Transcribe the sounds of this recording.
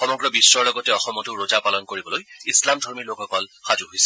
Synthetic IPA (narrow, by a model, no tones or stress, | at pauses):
xɔmɔɡɹɔbisɹɔɹlɔɡɔtɛɔxɔmɔtʊɹozapalɔnkoɹibɔlojislamdʱɔɹmiɹlokɔkɔlxazuɦojsɛ̥